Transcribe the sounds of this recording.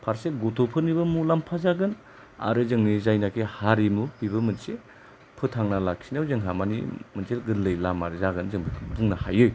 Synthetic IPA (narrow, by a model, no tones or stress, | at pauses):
pʰaɾseɡotʰopʰɯnibɐmulampʰazaɡɯn | a̰ɾɯzɯŋnizajnakʰehaɾimupiβɯmɯnse | pʰɯtʰaŋnalak̚sinawzɯŋɦamanḭmɯnselɡɯɾlɯjlamaɾɯzaɡɯnzɯŋbduŋnahajɯj